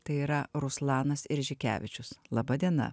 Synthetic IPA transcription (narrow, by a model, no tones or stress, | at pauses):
t̪ɐɪiːɾɐɾʊslˠɑːnɐsɪɾʲʒʲɪkʲæ̰ːʋʲɪt͡ʃʲʊslˠɐbɐd̪ʲiɛnɐ̰